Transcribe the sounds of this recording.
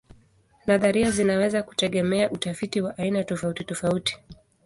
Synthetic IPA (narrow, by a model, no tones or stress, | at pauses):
naðaɾiazinawɛzaku̥tɛɠɛmɛaʔutafitiwaʔainatɔfautitɔfauti̥